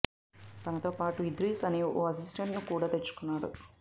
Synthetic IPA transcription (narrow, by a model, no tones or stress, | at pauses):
t̪ɐnɐt̪o̞ːpaːʈuid̪ɾiːsɐniʔoːɐs̬isʈeɳʈnukuːɽaːt̪et͡ʃːu̥kunːaːɽṵ